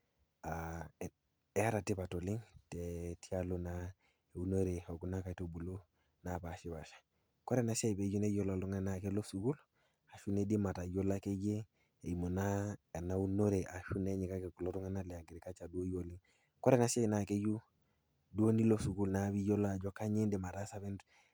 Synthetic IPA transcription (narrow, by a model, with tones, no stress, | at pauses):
a˨ | e˨˦a˦ɾa˨ti˦pa˨to˨li˦ŋte˨ti˦a˦lo˦˨na˦ | e˨u˦no˦ɾe˨o˨ɡu˦na˦ka˨to˦bu˨lo˦ | na˨pa˨ʃi˦ba˨ʃḁ˨ | ko˦ɾe˦na˦se˦˨be˨d͡ʒu˦ne˦jo˦la˨lu˦ŋe˦nake˦lo˦su˨ɡu˦l | a˨ʃu˦ne˦di˦ma˨ta˨jo˦la˦ke˦d͡ʒe˦ | e˨i˨mo˨na˦e˨na˨u˦no˦ɾe˨ʔa˨ʃu˦ne˦ɲi˨ka˦ke˨ku˨lo˦tu˦ŋe˦na˦lɛ˨a˨ɡi˨ɾi˨ka˦t͡ʃa˨du˦o˦jo˨li˦ŋ | ko˦ɾe˦na˨˦sa˦i˨na˨ke˦ju˦ | du˦o˦ni˦lo˦su˨ɡu˦lna˨βi˦jo˦la˦˨d͡ʒo˦ka˦ɲe˦ndi˨ma˨ta˦sa˦βi˦nd